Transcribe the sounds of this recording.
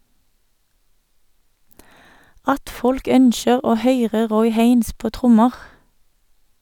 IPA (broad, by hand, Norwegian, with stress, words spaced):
ˈɑt ˈfɔlk ˈœnʃəʁ ˈoː ˈhœʏʁə ˈʁɔʏ ˈheɪns ˈpoː ˈtʁʊməʁ